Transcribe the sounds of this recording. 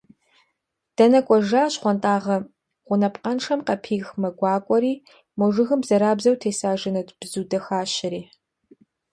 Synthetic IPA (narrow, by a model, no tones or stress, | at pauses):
d̥ɐnɐkʷʼɔʒaːɕχʷɔntʼaːʁɐ | ʁʷʊnɐpqʼɐnʂɐmqɐpʰiːxmɐɡʷɑːkʷʼɔɾiː | mɔʐɨɣɨmbzɐɾaːbzɐwtʰeːsaːʒɨnɐdb̥zuːdɐxaːɕɪɾiː